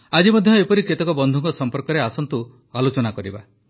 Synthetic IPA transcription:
ad͡ʒimɔd̪ʱjɔepɔɾiket̪ɔkɔbɔnd̪ʱuŋkɔsɔmpɔɾkɔɾeasɔnt̪u | alot͡ʃɔnakɔɾiba

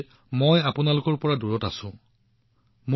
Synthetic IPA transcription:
mojapʊnalʊkɔɹpɔɹaduɹɔtasʊ̃ | m

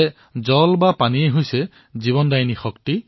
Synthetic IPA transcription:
zɔlbapanieɦojsɛ | ziβɔndajnixɔkti

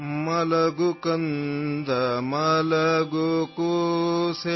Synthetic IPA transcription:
mɐlɐɡukɐnd̪ʱɐmɐlɐɡukuse

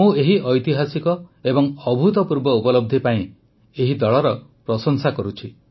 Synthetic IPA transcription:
ũeɦiʔɔjt̪iɦasikɔebɔŋɔbʱut̪ɔpuɾbɔupɔlɔb̚d̪ʱipaĩ | eɦid̪ɔɭɔɾɔpɾɔsɔŋsakɔɾut͡ʃʰi

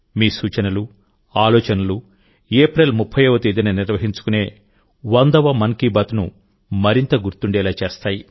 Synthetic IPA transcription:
miːsuːt͡ʃɐnɐlu | aːlɔːt͡ʃɐnɐlu | eːpɾelmupʰːɐjɐʋɐt̪uid̪inɐniɾʋɐɦiɲt͡ʃu̥kune̞ː | ʋɐnd̪ɐʋɐmɐnkibɐt̪nṵ | mɐɾint̪ɐɡuɾt̪uɳɖɛːlaːt͡ʃeːst̪aːji

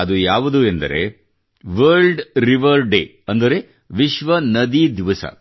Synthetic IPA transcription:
ɐd̪ujaːʋud̪uend̪ɐ̰ɾe̞̰ | ʋɐɾɖɾiʋɐɾɖḛː | ɐnd̪ɐɾe | ʋiʃʋɐnɐd̪id̪iʋɐsɐ̰

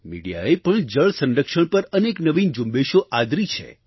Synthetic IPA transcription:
mḭɽija̰epəɳd͡ʒəɭsə̃nɾəkʃəɳ̃pəɾəneknəʋind͡ʒumbeʃoʔad̪ɾit͡ʃʰḛ

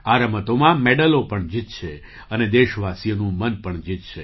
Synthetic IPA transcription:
aɾəmət̪omãmeɖəlopəɳd͡ʒit̪̚t͡ʃʰe | əned̪eʃʋasijənũmənpəɳd͡ʒit̪t͡ʃʰe

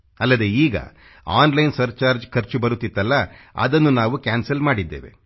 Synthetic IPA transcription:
ɐlːɐd̪e̞iːɡɐ̰ | aːnlɐjnsɐɾt͡ʃaːɾd͡ʒkʰɐɾt͡ʃubɐɾut̪ːit̪ːɐlːɐɐ̰d̪ɐnːunaːʋukʲaːnsɐlmaːɽid̪ːeːʋe̞̰

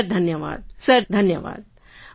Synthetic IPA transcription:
ɾd̪ʱənjəʋa̰ːd̪̚səɾd̪ʱənjəʋa̰ːd̪̚

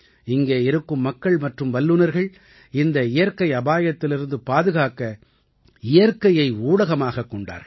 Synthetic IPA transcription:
ɪŋɡeːɪɾɯkːɯmːɐkːɐɭmɐʈrɯmʋɐlːɯnɐɾɣɐɭ | ɪnd̪ɐɪjɐɾkɐɪɐbaːjɐt̪ːɪlɪɾɯnd̪ɯpaːðɯɣaːkɐ | ɪjɐɾkɐjɐɪuːɽɐɣɐmaːɣɐkːɔɳɖa̰ːɾɣɐ

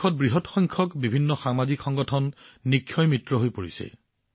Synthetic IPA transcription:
ɔt̚bɹiɦɔtxɔjŋkʰɔkbibʱinːɔxamazikxɔŋɡɔtʰɔnːikʰːjɔjmɹitɹɔɦojpoɹisɛ̰

